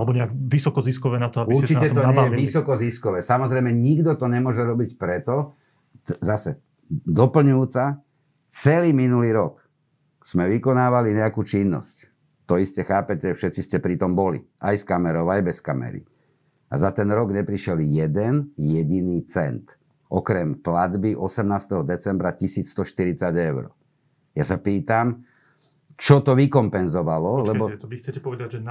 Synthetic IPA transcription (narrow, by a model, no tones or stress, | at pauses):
alɛbɔɲɛaɡʋisɔkɔziskɔʋɛːnat̪ɔabiuɾt͡ʃiɛt̪ɔɲaɛaɛʋisɔkɔziskɔʋɛːsamɔzɾɛɪmɛɲiɡd̪ɔt̪ɔɲɛmʊɔʒɛɾɔbicpɾɛt̪ɔ | zasɛ | d̪ɔpl̩ɲujut͡sa | t͡sɛliːminuliːɾɔk | z̥mɛʋikɔnaːʋaliɲɛakuːt͡ʃinːɔ̰sc | t̪ɔiscɛxaːpɛcɛfʃɛtt͡siscɛpɾit̪ɔmbɔlḭajskamɛɾɔʋajbɛskamɛ̰ɾḭ | a̰zat̪ɛnɾɔɡɲɛpɾiʃɛljɛd̪ɛnjɛɟiniːt͡sɛnt̪ | ʔɔkɾɛmplad̪biʔɔsɛmnaːst̪ɛɦɔd̪ɛt͡sɛmbɾacisiːt͡sst̪ɔʃt̪iɾit͡saɟɛʊɾɔ̰ | jasapiːt̪am | t͡ʃɔt̪ɔʋikɔmpɛnzɔʋalɔlɛbɔɛɛɔɛd̪a